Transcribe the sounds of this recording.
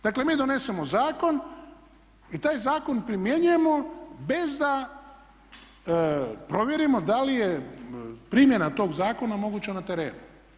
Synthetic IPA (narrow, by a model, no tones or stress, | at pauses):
d̪akle̞miːd̪o̞ne̞se̞mozaːko̞n | it̪aːjzaːko̞npɾimje̞ɲuje̞mo̞be̞zd̪a | pɾo̞ʋjeɾimo̞d̪alije̞ | pɾiːmje̞nat̪o̞ːɡzaːko̞namo̞ɡuːt͡ɕanat̪e̞ɾe̞̰ːnu